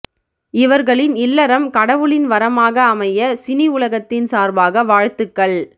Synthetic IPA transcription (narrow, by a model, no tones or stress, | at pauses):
ɪʋɐɾɣɐɭɪnɪlːɐɾɐmkɐɽɐʋɯɭɪnʋɐɾɐmaːɣɐːmɐjɐsɪniʊɭɐɣɐt̪ːɪnsaːɾbaːɣɐʋaːɻt̪ːɯkːɐɭ